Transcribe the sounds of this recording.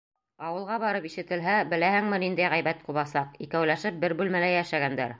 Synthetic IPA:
ɑwɤ̆lˠʁɑβɑɾɤpiʃɘ̆t̪ɘ̆lɦæbɘ̆læhɘ̆ŋmɘnind̪æjʁæjbæt̪quβɑsɑqikæwlæʃɘp̚bɘɾbʉlmælæjæʃæɡænd̪æɾ

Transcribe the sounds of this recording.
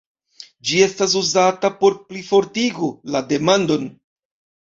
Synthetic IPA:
d͡ʒie̞stas̬uzatapo̞ɾplifo̞ɾtiɡulade̞mando̞n

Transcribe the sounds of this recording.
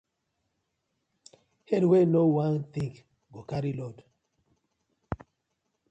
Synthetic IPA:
hɛdwenowãnθĩŋk | ɡokaɾilɔd

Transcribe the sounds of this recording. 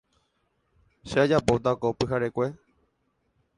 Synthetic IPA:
ʃead͡ʒapot̪akopɨɦaɾekʷe̞

